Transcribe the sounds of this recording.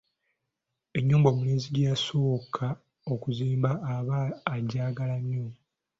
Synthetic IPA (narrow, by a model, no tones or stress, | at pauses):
e̞ɲːuːmbo̞ːmuneːziɟjaso̞ːkʰa | o̞kuziːmbaːβaːɟaːɡalamjo